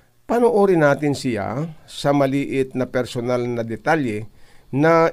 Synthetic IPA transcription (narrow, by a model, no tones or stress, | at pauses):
panoʔoːɾɪnaːt̪ɪnsɪja̰sɐmɐliːʔɪt̪̚nɐpɛɾsonalnɐd̪ɛt̪aljɛna